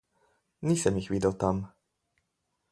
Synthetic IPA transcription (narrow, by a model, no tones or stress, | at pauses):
niːsɛmjixʋid̪əwt̪am